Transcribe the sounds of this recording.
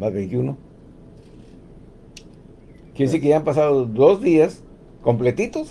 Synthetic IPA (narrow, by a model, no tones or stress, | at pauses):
mazβent̪juno | kjensiɾk̬eampasaðoðo̞zðias | ko̞mple̞t̪it̪os